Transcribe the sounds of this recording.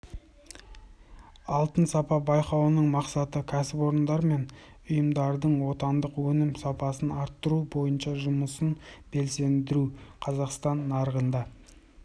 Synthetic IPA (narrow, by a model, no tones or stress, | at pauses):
ɑlˠt̪ənsɑpɑbɑjqɑwənəɴmɑqsɑt̪əkʲʰæsɪpo̞ɾənd̪ɑɾme̞n | ʊjəmd̪ɑɾd̪əɴwo̞t̪ɑnd̪əqwɵnɪmsɑpɑsənɑɾt̪ːəɾubo̞jənʃɑʒʊməsənb̥e̞lse̞nd̪ɪɾuqʰɑzɑqst̪ɑnːɑɾəʁənd̪ɑ